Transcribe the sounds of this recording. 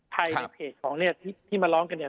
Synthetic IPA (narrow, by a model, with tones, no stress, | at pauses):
p̪ʰa˧ja˧˩pʰeː˨˩t̪̚kʰɔː˩˦ŋni˥˩ɐt̪ʰiː˥˩t̪ʰiː˥˩maː˧lɔː˦˥ŋka˧nːi˥˩ɐ